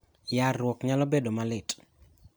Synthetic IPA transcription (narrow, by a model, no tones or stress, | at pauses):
jarːwɔkɲalɔbedomalɪtʼ